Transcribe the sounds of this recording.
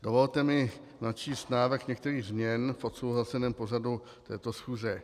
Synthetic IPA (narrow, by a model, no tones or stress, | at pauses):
do̞vo̞lt̪ɛmɪnat͡ʃiːst̪naːvrɾxɲɛk̚t̪ɛɾiːɣzmɲɛnfʔo̞t̪sowɦlasɛnɛːmpo̞radu | t̪ɛːt̪o̞sxuːzɛ